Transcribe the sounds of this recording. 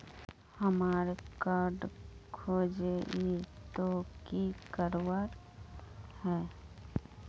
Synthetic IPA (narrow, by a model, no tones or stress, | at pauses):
həmaːɾekaːɾɖkʰoːd͡ʒeit̪okikəɾwaːɾ | hɛː